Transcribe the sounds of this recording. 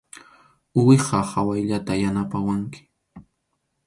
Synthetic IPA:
ʊwɪqɑhawajʎat̪ajanapawaŋkɪ̥

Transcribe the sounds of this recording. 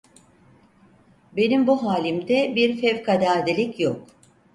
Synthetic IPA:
be̞nimbuɦaːlʲimd̪ɛbiɾfɛvkad̪aːd̪ilʲicjok̚

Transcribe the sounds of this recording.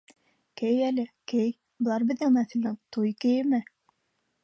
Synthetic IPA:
kɘjælɘkej | bɤ̆lˠɑɾbɘ̆ðɘŋmæθɘ̆lnɘt̪ujkɘ̆jɘ̆mɘ

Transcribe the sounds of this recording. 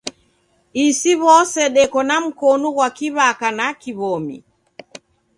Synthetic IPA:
isiβɔsɛɗɛkɔnam̩kɔnuɣwakiβakanakiβɔmḭ

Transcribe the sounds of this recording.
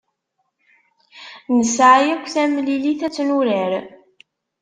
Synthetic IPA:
nəsʕjækʷːθæmliliθæt͡sːnuɾəɾ

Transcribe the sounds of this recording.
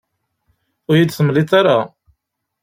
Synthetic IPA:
ʊɾjid̪θəmliθaɾa

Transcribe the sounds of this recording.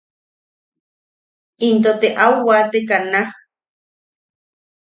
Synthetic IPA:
int̪̬ot̪eʔauwat̪ekana

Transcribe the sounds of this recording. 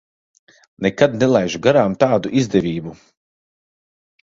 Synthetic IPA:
nɛkad̪nɛlˠajʒuɡaɾaːmt̪aːd̪uʔizd̪ɛvʲiːbu

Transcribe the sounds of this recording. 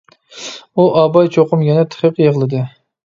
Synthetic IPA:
uʔɑbɑjt͡ʃʰoqʊmjɛnɛt̪ʰə̥χʰəqjeʁlˠɨd̪ɨ

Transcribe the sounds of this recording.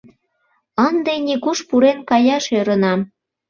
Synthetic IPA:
ənd̪enʲikuʃpuɾenkɑjɑʃøɾə̆nɑm

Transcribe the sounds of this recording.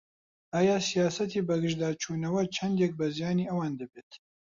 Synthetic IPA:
ɑːjɑːsijaːsɐt̪iːbɐɡɨʒd̪ɑːt͡ʃʰuːnɐwɐt͡ʃʰɐnd̪jɛk̚bɐzijɑːniːɐwɑːnd̪ɨbeːt̪

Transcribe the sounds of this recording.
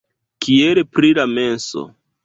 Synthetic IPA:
kielpɾilame̞nso̞̰

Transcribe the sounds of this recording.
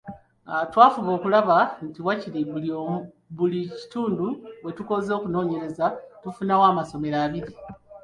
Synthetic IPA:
atwaːfuβo̞ːkulaβantiwaciɾiβulio | βulici̥tuːnduwe̞tuko̞zo̞ːkuno̞ːɲe̞ɾe̞zatufunawaːmaso̞me̞ɾaːβiɾi

